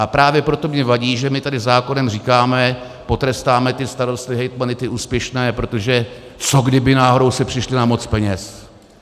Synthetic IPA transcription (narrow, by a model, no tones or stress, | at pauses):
apɾaːvjɛpɾot̪o̞mɲɛvaɟiːʒɛmɪt̪adɪzaːko̞nɛmriːkaːmɛ | po̞t̪ɾɛst̪aːmɛt̪ɪst̪aɾo̞st̪nɪɦɛjt̪manɪt̪ɪʔuːspjɛʃnɛːpɾo̞t̪o̞ʒɛ | t͡so̞ɡdɪbɪnaːɦo̞ɾowsɛpr̥ɪʃlɪnamo̞t͡spɛɲɛs